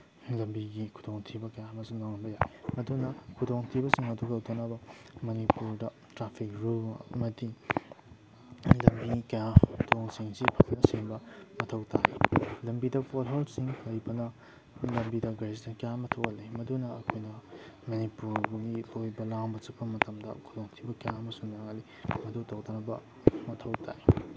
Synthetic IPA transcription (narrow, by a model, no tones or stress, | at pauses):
lɐmbiɡikʰudoŋtʰibɐkɐjamɐsiŋaŋɐbɐjajmɐdunɐkʰudoŋtʰibɐsiŋɐduɡɐwtʰɐnabɐ | mɐnipuɾdɐ | tɾapʰik̚ɾulmɐti | lɐmbikɐjatʰoŋsiŋsipʰɐknɐsiŋbɐmɐtʰɐwtʰa̰lɐmbidɐpʰolɦolsiŋlɐjbɐnɐ | lɐmbidɐɡɐɾsdɐkɐjamɐtʰowɐlimɐdunɐɐkʰojnɐmɐnipuɾbuɡilojbɐlaŋbɐt͡ʃɐpːɐmɐtɐmdɐ̰kʰuloŋtʰibɐkɐjaɐmɐsuŋnaŋɐli | mɐtʰowtʰɐwt̪anɐbɐ̰ | mɐtʰɐwtʰa̰j